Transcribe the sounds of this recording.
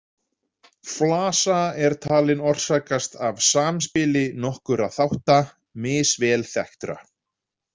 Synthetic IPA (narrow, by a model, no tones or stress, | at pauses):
flaːsaɛɾ̥t̪ʰaːlɪnɔr̥saːkast̪avsaːmspɪlɪnɔhkʏɾaθawht̪a | mɪːsvɛːlθɛht̪ɾa̰